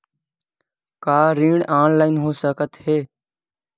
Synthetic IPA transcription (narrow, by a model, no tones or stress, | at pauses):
kaːɾĩːɽaːnlaːɪnɦoːsəkət̪heː